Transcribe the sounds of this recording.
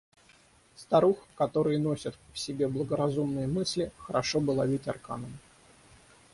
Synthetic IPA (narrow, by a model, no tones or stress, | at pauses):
st̪ɐɾuxkɐt̪o̞ɾɨjno̞sʲɪt̪fsʲɪbʲe̞blˠəɡəɾɐzumnɨjəmɨsʲlʲɪxəɾɐʂo̞bɨlˠɐvʲitʲɐ̰rka̰nəm